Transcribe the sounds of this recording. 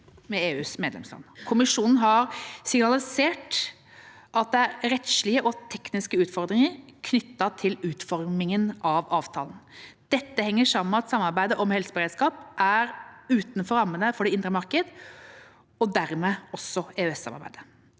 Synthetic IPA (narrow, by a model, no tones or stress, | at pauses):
mɛeːʉːsmeːd̪lɛ̰mslɑ̰nkʰʊmɪʂuːnn̩ɦɑɾsɪɡnɑlɪseːʈ | ʔɑt̪̚d̪ɛæɾɾɛt̪ʂɭɪəʔɔt̪ʰɛknɪskəʉːt̪fɔɾd̪ɾɪŋəɾkʰnʏt̪ːɑt̪ʰɪlʉːt̪fɔɾmɪŋənɑʋɑːʋt̪ʰɑ̰ːln̩d̪̥ɛt̪ːəhɛŋːəʂɑmːən̩ɑt̪sɑmːɑɾbæɪd̪əʔɔmhɛlsəbəɾeːd̪skɑːpʔæɾʉːt̪nfɔɾɑmːənəfɔɖɛɪnd̪ɾəmɑɾkəd̪ | ɔd̪æɾmɛɔsːɔeːøɛsːɑ̰mɑ̰ɾbæ̰ɪd̪ə